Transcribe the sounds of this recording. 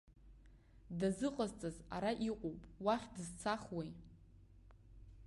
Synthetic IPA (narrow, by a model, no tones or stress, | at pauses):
dazɨqʼazt͡sʼaza̰ɾaʔiqʼowpʼwaχʲdɨzt͡sʰaχwej